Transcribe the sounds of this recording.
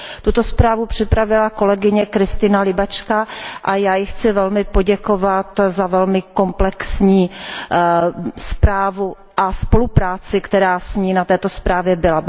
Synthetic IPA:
t̪ut̪o̞spɾaːvupr̝̥ɪpɾavɪlako̞lɛɡɪɲɛkɾɪst̪ɪnalɪbat͡ʃkaʔajaːjɪxt͡sɪvɛlmɪpo̞ɟɛko̞vat̪zavɛlmɪko̞mplɛksɲiː | spɾaːvu | ʔaspo̞lupɾaːt͡sɪkt̪ɛɾaːsɲiːnat̪ɛːt̪o̞spɾaːvjɛbɪla

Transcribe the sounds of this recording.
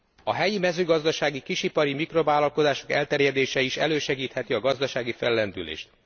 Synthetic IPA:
ɒɦɛjimɛzøːɡɒzd̪ɒʃaːɡikiʃipɒɾimikro̞vaːlɒlko̞zaːʃo̞kɛ̰lt̪ɛɾjɛd̪eːʃɛiʃɛ̰løːʃɛɡiːt̪hɛt̪iɒɡɒzd̪ɒʃaːɡifɛlːɛnd̪ylḛːʃt̪̚

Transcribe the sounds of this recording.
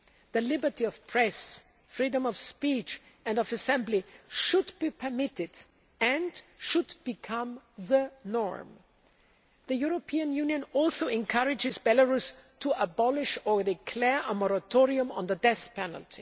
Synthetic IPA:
ðɨlɪbə˞tiʌv̥pʰɹ̥ɛs | fɹidə̃mʌv̥spit͡ʃ | ɨ̃ndʌvɨsɛ̃mbliʃʊdbipʰə˞mɪɾɪd | ɨ̃nʃʊdb̥ɨkʰʌ̃mðənɔ̰ɹm | ðɨjuɹopʰiɨ̃njʉ̃njɨ̃nɔlˠsoʊɨ̃nkʰʌɹɪd͡ʒɪzbɛləɹustʰuəbɑlɪʃə˞dɪkʰl̥ɛɹʔəmɔɹətʰɔɹiɨ̃mə̰̃nðədɛθpʰɛn̰l̩ˠtʰḭ

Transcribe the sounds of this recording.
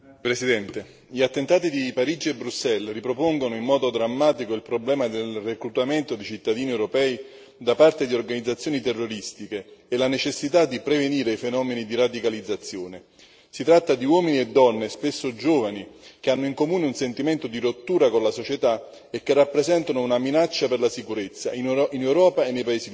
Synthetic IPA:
pɾesid̪ɛnt̪e | ʎiat̪ːent̪aːt̪id̪ipaɾiːd͡ʒiebɾusːɛlripɾopoŋɡonoimːɔːd̪od̪ɾamːaːt̪ikoilpɾoblɛːmad̪elrekɾut̪ament̪od̪it͡ʃit̪ːad̪iːniewɾopɛːi | d̪apart̪ed̪iorɡanid̪zːat̪sːjoːnit̪ɛrːoɾist̪ikeːlanet͡ʃesːit̪ad̪ːipɾeveniːɾeifenɔːmenid̪irad̪ikalid̪zːat̪sːjoːne | sit̪ɾat̪ːad̪iwɔːminied̪ːɔnːespesːod͡ʒoːvanik̟eanːoiŋkomuːneunsent̪iment̪od̪iɾot̪ːuːɾakonlasot͡ʃet̪a | ekːerːapːɾezɛnt̪anounaminat͡ʃːaperlasikuɾet̪sːa̰ininewɾɔːpaenːejpaeːszi

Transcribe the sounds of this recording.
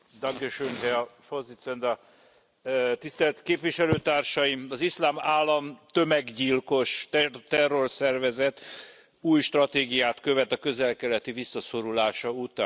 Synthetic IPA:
d̪ɒŋɡeʃøŋɦɛɒfozit̪sɛnd̪ɒ | t̪ist̪ɛlt̪keːpviʃɛløːt̪aːrʃɒjimɒzislaːmaːlːɒmt̪ø̞mɛɡɟilko̞ʃt̪ɛro̞rsɛrvɛzɛt̪ | uːjʃt̪rɒt̪eːɡijaːt̪kø̞vɛt̪ɒkø̞zɛlkɛlɛt̪ivisːɒso̞ɾulaːʃɒut̪aːn

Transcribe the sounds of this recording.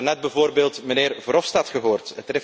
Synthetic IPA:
nɛt̚bɛvoːrbeːlˠtməneːrvɾɔfstatχəɦoːrtətrɪ

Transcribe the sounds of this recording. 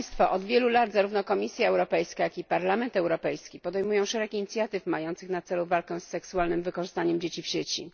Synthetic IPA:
jst̪faʔɔd̪vʲjɛlulad̪zaɾuvnɔkɔmʲisʲjaɛwɾɔpɛjskajakipaɾlamɛnt̪ɛwɾɔpɛjskʲipɔd̪ɛjmujɔ̃w̃ʂɛɾɛkiɲit̪sʲjat̪ɘfmajɔnt̪sɘxnat̪sɛluvalkɛw̃sːɛksualnɘmvɘkɔʐɘst̪aɲɛmd͡ʑet͡ɕifɕet͡ɕi

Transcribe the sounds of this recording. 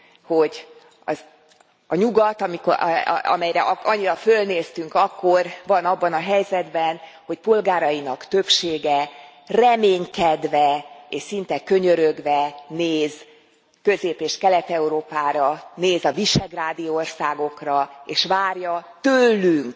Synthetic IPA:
ho̞ɟ | ɒ̰z | ɒɲuɡɒt̪ɒmiko̰ɒ̰mɛjɾɛʔɒɲːiɾɒfø̞lneːst̪yŋkɒkːo̞rvɒnɒbːɒnɒɦɛjzɛd̪bɛn | ho̞cpo̞lɡaːɾɒinɒkt̪øpʃeːɡɛ | rɛmeːɲkɛd̪vɛeːʃsint̪ɛkø̞ɲøɾøɡʋɛneːz | kø̞zeːpeːʃkɛlɛt̪ɛuɾoːpaːɾɒneːzɒviʃɛɡraːd̪ijoorsaːɡo̞krɒeːʃʋaːrjɒt̪ølːyŋk

